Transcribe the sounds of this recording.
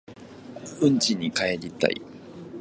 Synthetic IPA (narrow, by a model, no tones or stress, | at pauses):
ɯ̟̃ɲt͡ɕiɲ̟ːikaeɾʲit̪ːa̰ḭ